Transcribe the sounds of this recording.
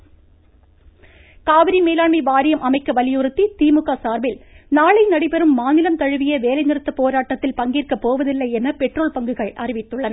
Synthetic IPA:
kaːʋɪɾimeːlaːɳmɐɪʋaːɾɪjɐmʔɐmɐɪkːɐʋɐlɪjɯɾɯt̪ːit̪iːmɯɣasaːɾbɪlnaːɭɐɪnɐɽɪpɛɾɯmːaːnɪlɐmt̪ɐɻɯʋɪjɐʋeːlɐɪnɪɾɯt̪ːɐpoːɾaːʈːɐt̪ːɪlpɐŋɡiːrkɐpːoːʋɐðɪlːɐɪɛnɐpɛʈroːlpɐŋɡɯɣɐɭʔɐrɪʋɪt̪ːɯɭːɐnɐ

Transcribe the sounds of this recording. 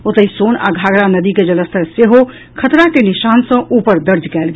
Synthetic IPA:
ot̪əɦisoːna̰ɡʱaːɡɾanəd̪iked͡ʒələst̪ʰəɾseɦo | kʰət̪ɾakenɪʃaːnsə̃ʔuːpəɾd̪əɾd͡ʒʱkɛːlɡ

